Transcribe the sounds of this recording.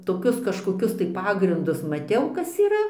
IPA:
toːˈkʲʊs kɐʃkoːˈkʲʊs tɐɪ ˈpɑːɡrʲɪndʊs mɐˈtʲɛʊ ˈkɐs iːˈrɐ

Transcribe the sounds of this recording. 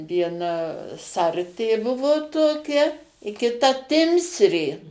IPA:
ʋʲiɛˈnɐ ˈsɐrʲtʲeː ˈbʊʋoː toːˈkʲɛ ɪ kʲɪˈtɐ ˈtʲɪmʲsʲrʲeː

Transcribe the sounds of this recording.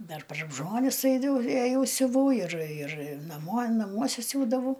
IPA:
ˈdɐr pɐr ˈʒmoːnʲɪs ˈɐɪdɐw eːˈjɛʊ sʲʊˈʋɐʊ ɪr ɪr nɐˈmuɔ nɐˈmuɔsʲɛ ˈsʲuːdɐʋɐʊ

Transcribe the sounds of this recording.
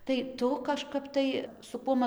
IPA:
tɐɪ ˈtʊ kɐʃˈkɐp tɐɪ sʊ ˈkuɔm

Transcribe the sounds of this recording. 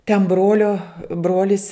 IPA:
tʲɛn ˈbroːlʲoː ˈbroːlʲɪs

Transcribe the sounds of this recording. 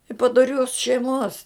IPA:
ɪ pɐdoːˈrʲoːs ʃʲɛɪˈmoːs

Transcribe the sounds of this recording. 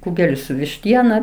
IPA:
ˈkuːɡʲɛlʲɪ sʊ ʋʲɪʃʲˈtʲiɛnɐ

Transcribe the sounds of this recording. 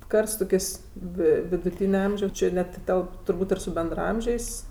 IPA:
ˈkɐrt sʊ toːˈkʲeːsʲ ˈʋʲɪ ʋʲɪdʊˈtʲiːnʲɛ ˈɐmʲʒʲɛʊs ˈt͡ʃʲɪ nʲɛt ˈtʲɛlˠp tʊrˈbuːtʲ ɪr sʊ bʲɛndrɐˈɐmʲʒʲɛɪs

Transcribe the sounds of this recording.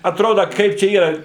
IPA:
ɐtˈroːdɐ ˈkɐɪp t͡ʃʲɛ ˈiːrɐ

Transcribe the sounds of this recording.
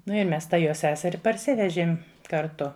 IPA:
ˈnʊ ɪ ˈmʲɛs ˈtɑː ˈjoː ˈsʲæːsʲɛrʲɪ pɐrʲˈsʲɪʋʲɛʒʲeːm kɐrˈtʊ

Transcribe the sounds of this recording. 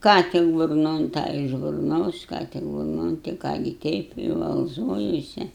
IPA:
ˈkɑː tʲɪk bʊrˈnoːn ˈtɑː ɪʃ bʊrˈnoːs ˈkɑː tʲɪk bʊrˈnoːn tʲɪ ˈkɑː ɡʲɪ ˈtʲɛɪp ɪ ʋɐlˠˈzoːjuɔsʲɛ

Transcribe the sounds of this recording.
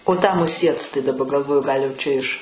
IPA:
oː tɑː mʊˈsʲiɛt tɐɪ dɐˈbɐ ɡɐlˠˈʋoːjʊ ˈɡɐlʲ jɛʊ ˈt͡ʃʲɛ ɪʃ

